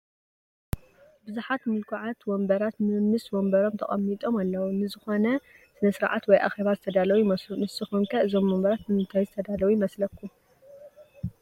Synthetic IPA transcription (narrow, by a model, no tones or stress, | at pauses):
bɨzuħat̪mɨlkʰuʕat̪wombɐɾat̪mɨmːɨswombɐɾo̞mt̪ʰɐ̰χʼɐ̰mːit̪ʼo̞malːɐwunɨzɨxo̞nɐ | sɨnɐsɨɾʕa̰t̪wɔjʔa̰xe̞βazɨt̪ʰɐd̪alɐwujɪmɐslunɨsɨxunkʰɐɨzo̞mːombɐɾat̪mɨmɨnt̪ʰajzɨt̪ʰɐd̪alɐwujɪmɐslɐkʰːu